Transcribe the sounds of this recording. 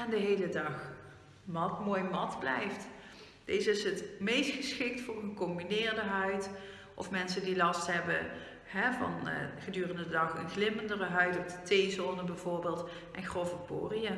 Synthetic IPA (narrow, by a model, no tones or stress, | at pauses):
ɛndəɦejlədɑx | mɑtmoːjmɑtblɛjft | d̥ejzəɪsɦətmejstxəsxɪk̚tfʊːrənkɔmbinɪːɹdəɦœɥt | ʔɔ̰fmɛnsəndilɑstɦɛbə | hɛvɑ̰nχədyːrəndədɑχənxlɪməndərəɦœɥtɔvdətejzoːnəbɛjv̥ʊːɹbeːlˠt | ʔɛnxrɔvəpo̰ːrijə